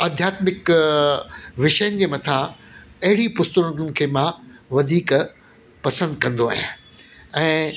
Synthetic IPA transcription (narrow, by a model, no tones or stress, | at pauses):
ɐd̪ʱjaːt̪mɪk | ʋɪʃəjənɪ̆d͡ʑeːmɐt̪ʰãɐɦɪɽipʊst̪əɾʊɾʊnɪ̆kʰeːmãʋɐd̪ʱiːk | pɐsə̃nd̪̚kɐ̃nd̪oa̰ːɦij̰ã | ɛ̃ː